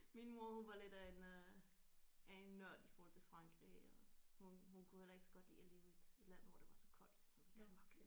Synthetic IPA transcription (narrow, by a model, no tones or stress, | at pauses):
minmo̝ɐhunʋɑ̈le̝d̥æen | æe̝nːɶɐ̰d̥ifɒɔːhɒ̽l̰t͡sʰefʁɑ̈ŋɡ̥ʁḭɒhunhunkʰuhel̰ɐe̝ɡ̥sɒ̽ɡ̥ɒ̽d̥lḭːɒle̝ːʊe̝d̥e̝d̥læn̰ʋɒ̰d̥e̝ʋɑ̈sɒ̽kʰɒ̽l̰d̥sɒ̽mʋid̥ænɒɡ̥ʰ